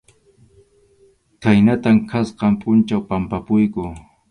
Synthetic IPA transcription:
kajnat̪amkʰasqɑmpʼʊnt͡ʃawpampapʊjkʊ

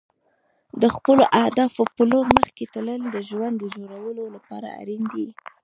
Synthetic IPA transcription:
d̪əxpəloʔahd̪ɑfopəloɾməxket̪ələld̪əʒwand̪ːəʒoɾawəlolapɑ̰ɾa̰a̰ɾind̪i

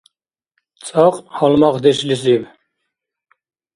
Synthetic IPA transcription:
t͡sʼɑqhɑlmɑqd̪ɛʃlis̬iv

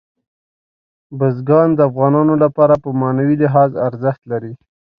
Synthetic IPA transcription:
bəzɡɑnd̪əafɣɑnɑnolapɑɾapəmɑnawilɪɦɑzaɾzəxt̪laɾi

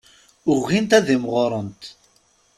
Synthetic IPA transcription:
ʊʁːint̪æðimʁʊɾˤənt̪

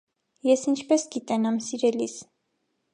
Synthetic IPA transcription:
jɛsint͡ʃʰpɛsɡit̪ɛnɑmsiɾɛlis

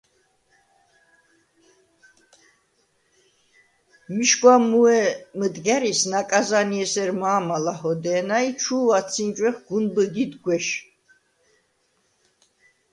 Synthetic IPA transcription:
miʃɡwamuɛməd̪ɡɛɾisnakʼazaniɛsɛɾmaːmalahɔd̪ɛːnait͡ʃʰuːat̪sʰind͡ʒʼwɛχɡ̥unbəɡid̪ɡwɛʃ

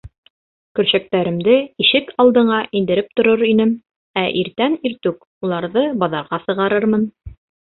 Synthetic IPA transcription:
kɵ̆ɾɕæk̚t̪æɾɘ̆md̪ɘiʃɘkʰɑlˠd̪ɤ̆ɴɑʔind̪ɘ̆ɾɘp̚t̪ŏɾoɾinɘm | æʔiɾt̪æniɾt̪ʉk | ulˠɑɾðɤbɑðɑɾʁɑsɤ̆ʁɑɾɤɾmɤn

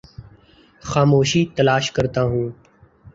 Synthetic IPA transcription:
xaːmoːʃiːt̪əlaːʃkəɾt̪aːɦũː

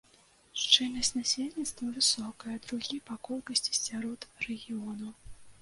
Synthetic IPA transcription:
ʂt͡ʂɨnʲnɐsʲtʲnasʲelʲnʲit̪st̪vɐvɨsɔkɐjɛd̪ɾuɣʲipakɔlʲkɐsʲt͡sʲi̥sʲaɾɔt̪rɛɣʲiɔnɐ

